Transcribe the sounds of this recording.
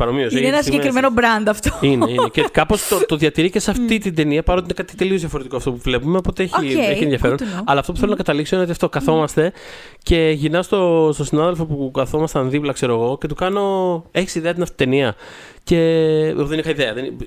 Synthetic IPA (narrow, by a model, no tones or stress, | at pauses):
pɐɾomiosenenɐsemkɾimenobɾɐnd̪ɐft̪oiineinecekɐpo̞st̪ot̪oðjɐt̪iɾiceseɐft̪it̪ind̪e̞niɐpɐɾot̪inekɐt̪it̪e̞lio̞zðʝɐfoɾet̪ikoɐft̪opuvle̞pumeopo̞t̪eeçieeieðjɐfe̞ɾonɐlɐːft̪ouθelonɐkɐt̪ɐlikso̞inot̪iɐft̪o̞kɐθo̞mɐst̪e̞ | ce̞ʝinɐst̪o̞st̪o̞sinɐðelfo̞pukɐθo̞mɐst̪ɐnðiplɐkse̞ɾo̞eɣo̞cet̪ukɐno̞e̞çisiðeɐt̪inɐft̪i̥t̪eniɐ | ce̞ðenixɐiðeɐðen